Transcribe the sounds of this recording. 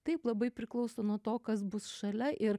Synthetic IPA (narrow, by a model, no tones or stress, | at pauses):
t̪ɐɪplˠɐbɐɪpʲɾʲɪklˠɐʊsoːnuɔt̪oːkɐsbʊsʃɐlʲɛʔɪɾ